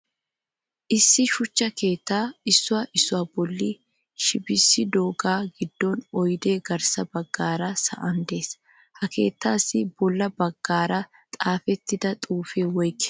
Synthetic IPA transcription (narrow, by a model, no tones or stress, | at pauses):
ʔɪsːɪʃʊt͡ʃːɐke̞ːt̪ːaːɪsːʊwaːʔɪsːʊwaːbɔlːi | ʃɪbɪsːɪd̪oːɡaːɡɪd̪ːɔnɔjd̪e̞ːɡɐɾsɐbɐɡːaːɾɐsɐ̰ʔɐnd̪e̞ːs | hɐke̞ːt̪ːaːsːɪbɔlːɐbɐɡ̥ːaːɾɐ | t̪ʼaːfɛt̪ːɪd̪ɐt̪ʼuːfeːwɔjkɛ̥